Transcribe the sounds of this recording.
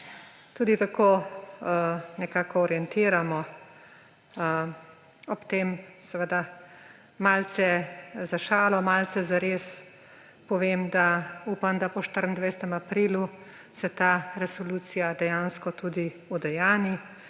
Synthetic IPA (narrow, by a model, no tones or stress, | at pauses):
t̪uːd̪it̪akoː | nɛkaːkɔɔɾjɛnt̪iːɾamɔ | ɔpt̪eːmsɛʋəd̪a | malsɛzaʃaːlɔmalsɛzaɾes | pɔʋeːmd̪auːpamd̪apɔʃt̪əɾənd̪ʋɛjsɛt̪ɛmapɾiːlu | sɛt̪aːɾɛsɔluːt̪sijad̪ɛjaːnskɔt̪uːd̪i | ud̪ɛjaːni